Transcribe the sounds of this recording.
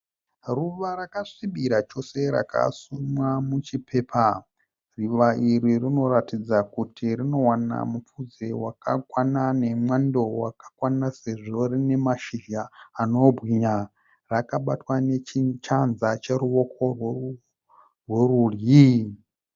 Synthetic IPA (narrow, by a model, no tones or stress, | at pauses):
ruʋarakaʂiɓiɾat͡ʃo̞se̞ɾa̰ka̰sumwamut͡ʃipʰe̞ːpʰa | riʋaʔiɾirino̞ɾatid͡zakutirino̞wana̰mup͡fud͡zewakakwanane̞mwando̞wakḁkwanase̞ʐorine̞maʃiʒaːno̞bʱɣiɲa | rakaɓatwane̞t͡ʃit͡ʃanzat͡ʃeɾuo̞kʰo̞rw | rwerurji